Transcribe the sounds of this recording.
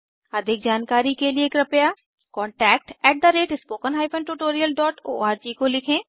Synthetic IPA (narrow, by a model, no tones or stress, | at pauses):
ɐd̪ʱɪk̚d͡ʒaːnkaːɾikelieːkɾɐpja | kɔ̃ːɳʈɛːk̚ʈɛːʈ̚d̪əɾeːʈɪspoːkənɦaːɪfə̃nʈuʈoːɾijəlɖɔːʈo̰ːaːɾd͡ʒiːkolɪkʰẽː